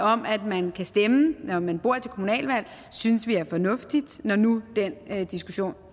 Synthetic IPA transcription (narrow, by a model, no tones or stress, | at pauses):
ɒ̽mæd̥mænkʰæsd̥emənɒmænb̥o̝ɐ̰t͡sʰe̝lkʰo̝munɛ̰ːlʋæl̰ | synsʋiæɐfɒ̽nɔ̽fd̥id̥nɒnud̥end̥isɡ̥uɕo̝̰ːn